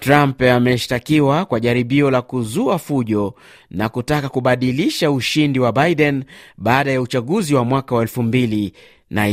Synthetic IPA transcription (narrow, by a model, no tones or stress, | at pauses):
tɾampamɛʃtakiwakwaʄaɾiɓiɔlakuzuafuʄɔ | nakutakakuɓaɗiliʃauʃindiwabajɗɛnɓaːɗajaut͡ʃaɠuziwamwakawaɛlfumbili | na